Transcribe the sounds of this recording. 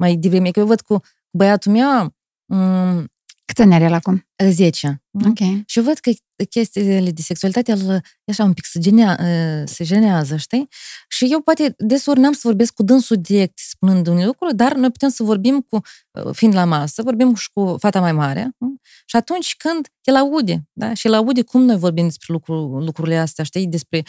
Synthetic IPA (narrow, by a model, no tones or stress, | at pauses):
majd̪ivɾemikjewvəd̪̚ku | kubəjat̪umew | kɨt̪sʲanʲaɾelakum | əze̞t͡ʃaokʲejʃijevəd̪̥kə | kʲe̞st̪ialed̪ese̞ksualit̪at̪ealə | aʃaumpi̥ksəd͡ʒeneased͡ʒe̞neazəʃt̪ijʃije̞wpoat̪e̞d̪esurnamsəvo̞rbe̞skkud̪ɨnsud̪iɾe̞k̚t̪ʲspunɨnd̪unelukɾud̪arno̞jpu̥t̪emsəvo̞rbimkṵ | fiːnd̪lamasəvo̞rbimkufat̪amajmaɾea̰ | ʃiat̪unt͡ʃʲkɨnd̪jelaud̪ed̪aʃijelaud̪ekʰumno̞jvo̞rbimd̪e̞spɾe̞lukɾulukɾuɾile̞ast̪eaʃt̪ijd̪e̞spɾe̞